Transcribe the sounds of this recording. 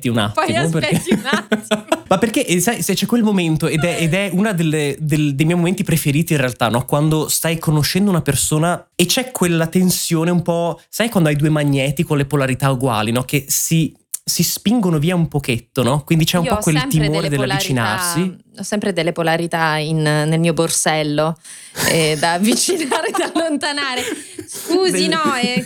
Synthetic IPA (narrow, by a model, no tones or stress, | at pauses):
t̪iuna̰t̪ːimoperke | mapːerk̟eʔsajset͡ʃːɛkːwelmoment̪oed̪ɛʔed̪ɛunad̪elːed̪eld̪ejmjɛjmoment̪ipɾefeɾiːt̪iːnrealt̪anːɔkwand̪ost̪ajkonoʃːɛnd̪ounapersoːna | et͡ʃɛkːwelːat̪ensjoːneumpɔsajkwand̪oajd̪uːemaɲːɛːt̪ikonlepolaɾit̪auɡwa̰ːlinɔk̟esi | sispiŋɡonoviːaumpok̟et̪ːonɔkwind̪it͡ʃɛumpɔkːwelt̪imoːɾed̪elalit͡ʃɾina̰rsiɔsːɛmpɾed̪elːepolaɾit̪ainːelmiːoborsɛlːo | ɛd̪avːit͡ʃinaɾed̪alːont̪anaːɾeskuːzinɔɛ